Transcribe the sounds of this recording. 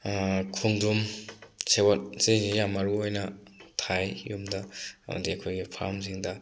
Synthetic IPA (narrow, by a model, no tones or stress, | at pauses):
kʰuŋdɾumsewat̚senijamaɾuojnɐtʰajjumdɐma̰diɐkʰojɡipʰa̰msiŋdɐ